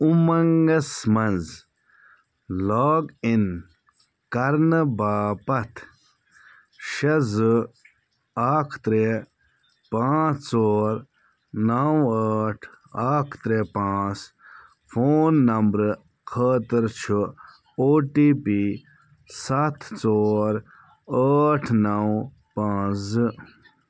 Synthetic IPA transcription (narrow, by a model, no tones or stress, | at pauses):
umɐŋɡɐsmɐnz | laːɡin | kɐɾnɨbaːpɐt̪ʰ | ʃɐzɨ | aːkʰt̪ɾe | pãːt͡st͡soːɾ | nawaːʈʰ | aːkʰt̪ɾepãːt͡s | fʰoːnːɐmbɾ | kʰəːt̪əɾt͡ʃʰu | oːʈiːpi | sat̪ʰt͡soːɾ | aːʈʰnaw | pãːzɨ